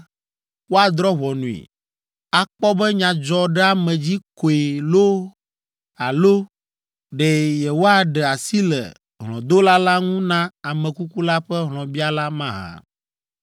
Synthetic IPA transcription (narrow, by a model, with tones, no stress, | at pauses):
wo˦a˨d̪ɾɔ˦βɔ˨nũ˨ḛ˨ | a˨k͡pɔ˦bɛ˦ɲã˨d͡ʒɔ˨ɖɛ˦a˦mɛ̃˨d͡ʑi˦ko˨e˨lo˦ | a˨lo˦ | ɖɛ˨jɛ˨wo˦a˨ɖɛ˨a˨si˦lɛ̰˨ | ɦlɔ̃˨d̪o˦la˦la˦ŋũ˦nã˦a˨mɛ̃˨ku˦ku˦la˦ɸɛ˦ɦlɔ̃˨bi˦a˦la˦mã˦ɦã̰˨